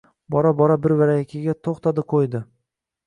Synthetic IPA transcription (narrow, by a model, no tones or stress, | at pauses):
bɒɾabɒɾabɪɾvaɾajakʲʰɪɡʲat̪ʰoχt̪ad̪ɪqʰojd̪ɪ